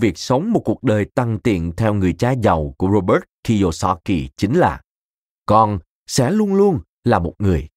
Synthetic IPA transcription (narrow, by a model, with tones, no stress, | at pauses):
vi˨˩ək̚sə˨˦wŋ͡mmo˨˩t̚ku˨˩ək̚ɗəː˨˩jt̪a˨˩ŋt̪ḭ˧˨ənt̪ʰɛ˧wŋɨ˨˩əjt͡ɕaː˧za˨˩wku˧˩əɾo˧ɓəː˦˥t̚ki˧zo˧˩sɔ̰˧˥kḭ˨˩t͡ɕi˨˦ŋ̟laː˨˩ | kɔ˧n | sɛ̰˧˥lu˧ənlu˧ən | laː˨˩mo˨˩t̚ŋɨ˨˩əj